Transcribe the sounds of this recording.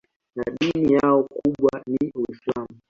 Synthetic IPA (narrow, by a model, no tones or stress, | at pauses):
naɗinijaɔkuɓwaniwislamu